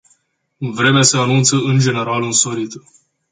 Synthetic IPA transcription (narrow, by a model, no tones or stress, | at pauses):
ɨnvɾe̞measeanunt̪səɨnd͡ʒe̞ne̞ɾalɨnsoɾit̪ə